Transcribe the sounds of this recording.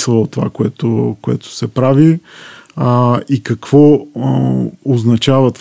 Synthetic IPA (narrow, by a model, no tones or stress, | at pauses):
slˠəot̪ova̰koɛt̪okoɛ̰t̪ʊ̥sɛpɾavi | ikɐkv̥ɔ | oznɐt͡ʃavɐt̪